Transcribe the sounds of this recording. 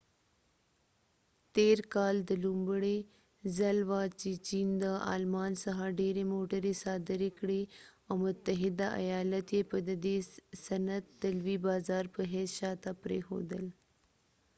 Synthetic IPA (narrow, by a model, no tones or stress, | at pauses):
t̪eːɾkaːld̪əlumbɽe | zɐlʋaːt͡ɕit͡ɕiːnd̪əa̰ːlmaːnsəɦaɖeːɾemoːʈəɾesaːd̪əɾekɽeawmʊt̪ːəɦɪd̪aʔɐ̰jaːlət̪jepəd̪əd̪eːsɐnət̪ːɐlʋibaːzaːɾpəɦɛːsʃat̪apɾḛxo̰ːd̪əl